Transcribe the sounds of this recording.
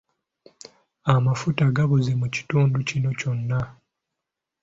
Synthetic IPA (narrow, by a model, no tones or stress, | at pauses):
amafutaɡaβuzemuci̥tuːnducino̞co̞nːa